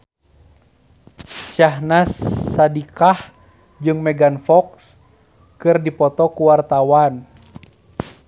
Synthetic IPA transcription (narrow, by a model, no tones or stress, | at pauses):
t͡ʃahnasːadikah | d͡ʒɨŋmɛɡanfɔks | kɨrdipɔt̪ɔkuwart̪awan